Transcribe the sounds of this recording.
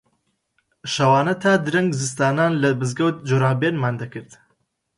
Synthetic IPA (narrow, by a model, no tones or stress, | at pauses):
ʃɐwaːnɐt̪ʰaːd̪ɨɾɐŋɡzɨst̪aːnaːnlɐbɨzɡɐwt̪̚d͡ʒoɾaːbeːnmaːnd̪ɐkɨɾd̪